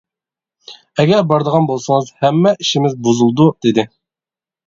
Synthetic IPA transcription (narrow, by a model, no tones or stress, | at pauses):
ɛɡʲɛɾbɑɾd̪əʁɑnbolˠsɨŋəzhɛmːɛʔiʃimɪzbuzulˠd̪ud̪̥ɪd̪ɪ